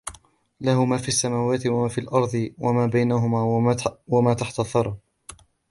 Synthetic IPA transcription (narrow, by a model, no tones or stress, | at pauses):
lahʊmaːfiːasːamaːwaːt̪ɪwamaːfiːlʔɑɾˤd̪ˤɨwamaːbajnaɦʊmaːwamaːt̪aħt̪aθˤːɑɾˤɑ